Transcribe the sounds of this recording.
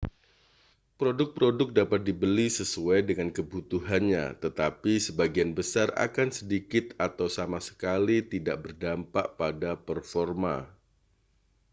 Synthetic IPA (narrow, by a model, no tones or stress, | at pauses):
pɾodʊk̚pɾodʊk̚dapat̪̚dibəlisəsuajdəŋankəbut̪uɦanɲa̰t̪ət̪apisəbaɡianbəsara̰kansədikɪt̪at̪awsamasə̥kalit̪idaʔ̚bərdampa̰ʔpadapərfɔrma̰